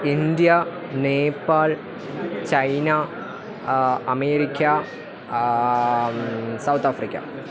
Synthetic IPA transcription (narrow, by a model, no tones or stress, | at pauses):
ind̪jɐ | neːpːaːl | t͡ɕɐjna | ɐmeːɾikʲːɐ | sɐwt̪afrikʲːɐ̰